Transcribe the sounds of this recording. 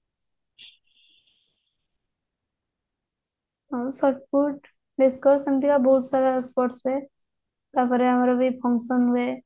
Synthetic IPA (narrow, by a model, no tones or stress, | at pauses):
ɔsɔʈpuʈ | ɖeskɔsəmt̪ikabɔɦut̪saɾaspɔʈsue | t̪apɔɾeɦamaɾobʱipʰɔŋkʃənɦue